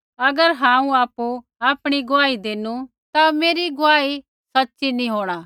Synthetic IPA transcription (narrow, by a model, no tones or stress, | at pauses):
ɐɡəɾɦãːũaːpu | aːpɽ̃iɡʊaːid̪eːnu | t̪ameːɾiɡʊaːi | sɐtːʃinĩɦoːɽ̃aː